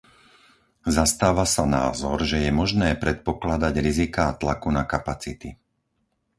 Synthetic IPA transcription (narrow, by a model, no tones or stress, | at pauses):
zast̪aːʋasana̰ːzɔɾʒɛjɛmɔʒnɛːpɾɛt̪̚pɔklad̪aɟɾizikaːt̪lakunakapat͡sit̪i